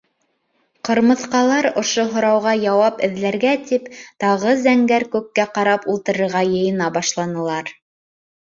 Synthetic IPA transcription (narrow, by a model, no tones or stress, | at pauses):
qɤ̆ɾmɤ̆θqɑlˠɑɾŏʃoɦŏɾɑwʁɑjɑwɑpɘ̆ðlæɾɡæt̪ipt̪ɑʁɤzæŋɡæɾkʉkːæqɑɾɑpulˠt̪ɤ̆ɾɤ̆ɾʁɑjɤ̆jɤ̆nɑbɑʃlˠɑnɤ̆lˠɑɾ